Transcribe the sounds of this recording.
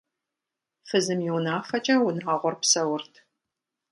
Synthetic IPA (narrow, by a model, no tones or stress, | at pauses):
fɨzɨmjiwnaːfɐt͡ʃʼɐwʊnaːʁʷɔrpsɐwʊrtʰ